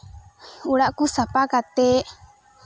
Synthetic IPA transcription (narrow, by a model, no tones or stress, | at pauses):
uɽaʔkusapakat̪e